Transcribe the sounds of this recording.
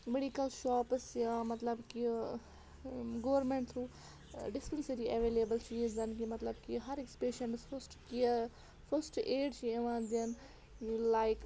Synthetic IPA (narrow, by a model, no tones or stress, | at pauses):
meɖikəlʃɔːpsjaːmɐt̪lɐbki | ɡoːʋɾmẽɳʈt̪ʰɾuː | ɖɪspənseɾiʔɐʋeːleːbəlt͡ʃʰiizɐnkimɐt̪lɐbkiɦɐɾekspeːʃɐ̃ɳʈsfʰɐsʈkia | fʰɐɾsʈeːɖt͡ʃieʋãːnd̪iən | laːɪk